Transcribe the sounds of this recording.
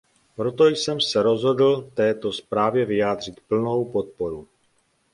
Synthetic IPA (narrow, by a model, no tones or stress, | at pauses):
pɾo̞t̪o̞jsɛmsɛɾo̞zɦo̞dl̩t̪ɛːt̪o̞spɾaːvjɛvɪjaːd̪r̝ɪt̪pl̩no̞wpo̞t̪̚po̞ɾu